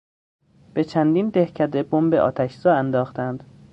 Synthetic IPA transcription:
b̥e̞t͡ʃʰænd̪iːnd̪ehcʰæd̪ebombeʔɒ̰ːt̪ʰæʃzɒːænd̪ɒːxt̪ænd̪̥

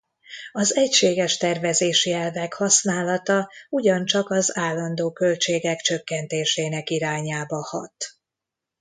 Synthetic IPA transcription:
ɒzɛcʃeːɡɛʃt̪ɛrvɛzeːʃiɛlvɛkhɒsnaːlɒt̪ɒuɟɒnt͡ʃɒkɒzaːlːɒnd̪oːkø̞lt͡ʃeːɡɛkt͡ʃø̞kːɛnt̪eːʃeːnɛkiɾaːɲaːbɒhɒ̰t̪

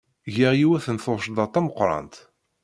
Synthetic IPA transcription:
ʝəʁjiwæθənθoˤʃd̪ˤɑt̪ˤːɑməqːɾˤɑ̰nt̪

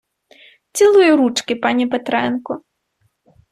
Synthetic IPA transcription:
t͡sʲilˠujuɾut͡ʂkʲɪpanʲipɛt̪ɾɛnkʊ

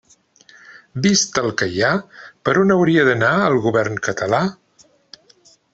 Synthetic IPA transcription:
bist̪əlˠkəjapəɾɔnəwɾiəðənaəlˠɣuβɛrnkət̪əla

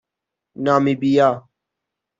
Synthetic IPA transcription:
naːmiːbijaː

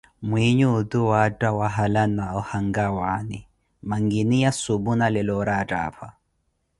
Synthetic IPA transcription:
mwiɲud̪uwatʼawaɦalanaɔhaŋɡawani | maŋɡinijasubunalɛlɔɾatʼa̰ːɸʰa

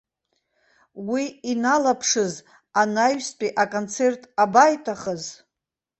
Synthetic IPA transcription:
wiinalapʰʂɨz | anajstʷʼiʔakʼont͡sʰe̞rtʼabajtʼaχəz

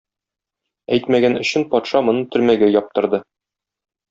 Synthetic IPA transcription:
æjt̪mæɡænɵ̆ɕɘnpɒt̪ʃɑmŏnɤɴt̪ɵ̆ɾmæɡæjɒp̚t̪ɤ̆ɾd̪ɤ

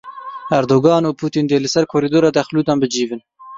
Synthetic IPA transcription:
æɾd̪oːɡɑːnuːpʰuːt̪iːnd̪eːlɨsɛɾkʰoːɾiːd̪oːɾɑːd̪ɛxluːd̪ɑːnbɨd͡ʒiːvɨn

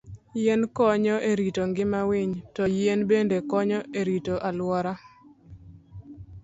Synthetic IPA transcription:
jenkɔɲɔʔeɾitoŋɡɪmawiɲtɔjenbendekɔɲɔeɾitoʔalwɔɾa

